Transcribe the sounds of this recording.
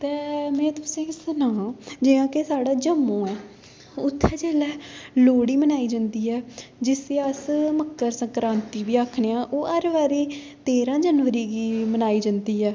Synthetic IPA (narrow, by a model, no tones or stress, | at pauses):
t̪ɛːmɛ̃ːt̪ʊsĩːsənãːd͡ʒɪːãːkesaːɽaːd͡ʒəmːõːɛː | ʊt̪ʰːɛːd͡ʒɛːlɛːloːɽiːmənaːiːd͡ʒãːnd̪iːɛːd͡ʒɪseːəsməkːəɾsəŋkɾãːnt̪iːʋiːakʰneːãːʔoːʔəɾʋaːɾiː | t̪eːɾãːd͡ʒənʋəɾiːɡiːmənaːiːd͡ʒãnd̪iːɛː